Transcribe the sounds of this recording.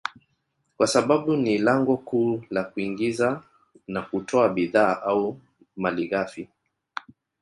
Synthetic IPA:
kwasaɓaɓunilaŋɡɔkuːlakuiŋɡiza | nakutʰɔaɓiðaːʔau | maliɣafi

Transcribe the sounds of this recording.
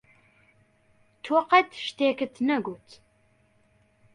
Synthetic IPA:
tʰɔqɐtʰʃtʰeːkɨtʰnɐɡʷʊtʰ

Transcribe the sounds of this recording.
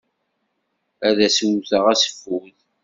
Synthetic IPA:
æðæswθəʁæsə̥fuð

